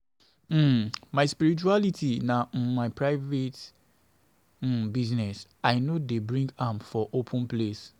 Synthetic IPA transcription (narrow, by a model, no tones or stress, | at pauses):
m̩maɪspiɾit͡ʃualitʰinãmaɪpʰɹaɪvet | biznɛsaɪnodebɹĩŋɡãmfɔʔopʰũnples